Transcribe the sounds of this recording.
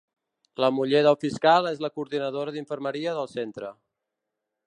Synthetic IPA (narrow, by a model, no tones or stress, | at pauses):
ləmuʎeðəlˠfiskalˠezləkuːɾðinəðoɾəðiɱfəɾməɾiəðəlˠsent̪ɾə